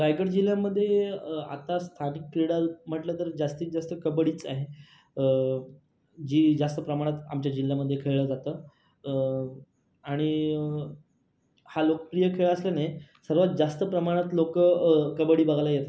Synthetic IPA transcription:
ɾajɡəɽd͡ʑiljaməd̪ʱːjea̰t̪ast̪ʰaniːkːɾiɭam̤əʈlət̪əɾd͡zast̪iːt̪̚d͡zast̪əkəbɽiːt͡saɦe | ə | d͡ʑiːd͡zast̪əpɾəmaɽ̃at̪a̰mt͡ɕjad͡ʑilːjaməd̪ʱːjekʰeɭɭəd͡zat̪əː | aɽ̃i | halokə̥pɾijəkʰeɭəəslənajsəɾʋat̪̚d͡zast̪əpɾəmaɽ̃at̪lokəkəbəɽiːbəɡʱlajet̪

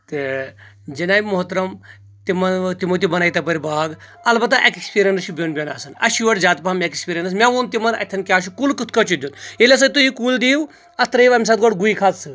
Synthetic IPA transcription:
t̪ɨ | d͡ʒɐnaːjmoɦt̪ɾɐm | t̪imɐnt̪imut̪̬ibɐnaːjt̪ɐpɐɾibaːɡ | ɐlbɐt̪̬ːaʔekkspiɾʲɐnɨʃubʲonbʲɐnaːsɐnɐ̰ʃuʋɐʈzaːt̪paːmekispʲiːɾʲjɐnɨs̬mʲaʋunt̪̬ʲimɐnɐ̰t̪ʰːɐnkʲaːʃ̬ukulkɨt̪̚ʰkɐt͡ʃud̪junelʲɐs̬ɐt̪uɦikuːld̪iːw | ɐst̪ɾɐiʋɐmʲs̬at̪ɡɔɽɡuikʰat̪sɨ

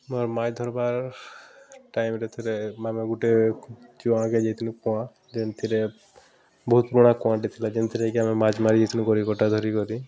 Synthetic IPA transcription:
mɔɾmajd̪ʱɔɾbaɾ | ʈajmɾet̪ʰiɾemameɡuʈet͡ʃiãked͡ʒet̪ʰinũkɔã | d͡ʒɛnt̪ʰiɾe | bɔɦut̪̚pɾuɽ̃ãkɔãɖet̪ʰilad͡ʒɛnt̪ʰiɾekiamemad͡ʒmaɾid͡ʒet̪ʰinukɔɾikɔʈad̪ʱɔɾikɔɾi

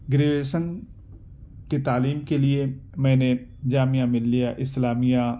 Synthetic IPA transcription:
ɡɾeːʋeːsən | ket̪aːliːmkelɪemɛ̃ːned͡ʒaːmɪjamɪlːijaːʔɪslaːmijãː

